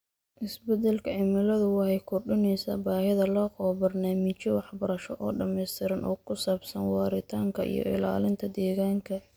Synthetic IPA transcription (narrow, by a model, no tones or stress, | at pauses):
ʔɪsbɛd̪ɛlkʰɐʕɪmɪlɐðʊwɑhɛjkʰʊrɖʊnɛjsa̰ːbaːhɪðɐlɔːqɔbɐrnaːmɪt͡ʃjɔwɑħbɐɾɐʃɔʔɔːɖɐmɛjst̪ʰɪɾɐnʔɔ̰ːkʰʊsaːbsɐnwɑːɾɪt̪ʰaːŋkʰɐʔḭjɔ̰ʔɪ̰la̰ːlɪnt̪ʰɐd̪ɛːɣaːŋkʰɐ